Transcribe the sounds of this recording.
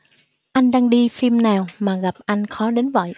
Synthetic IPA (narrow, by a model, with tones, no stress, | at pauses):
ʔa˧jŋ̟ɗaː˧ŋɗi˧fi˧mnaː˨˩wmaː˨˩ɣa˨˩p̚ʔa˧jŋ̟xɔ˨˦ɗe˨˦nvə̰˧˨j